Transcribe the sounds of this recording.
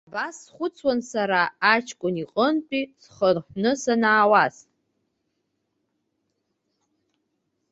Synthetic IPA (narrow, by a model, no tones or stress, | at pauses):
abasːχʷʊt͡sʰwansaɾaːt͡ʃʰkʷʼʊniqʼəntʼisχərħʷnɨsanaːwas